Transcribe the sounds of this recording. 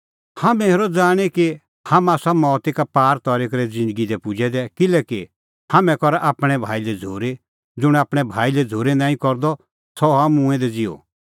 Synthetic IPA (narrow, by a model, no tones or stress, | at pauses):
hamɛ̃eɾɔd͡zaːɽ̃eki | hɐmaːsamɔːt̪ikapaːɾt̪ɔɾikɾɛd͡zɪ̃nd̪əɡid̪ɛpʊd͡ʒʱɛd̪ɛkɪlɛːki | hamɛ̃kɔɾʔaːpɽ̃ɛbʱa̰ːilɛd͡zʱoːɾe | d͡zʊɽ̃aːpɽ̃ɛbʱaːilɛd͡zʱoːɾenãːĩkɔɾd̪ɔ | sɔɦamũɛ̃d̪ɛd͡zio̰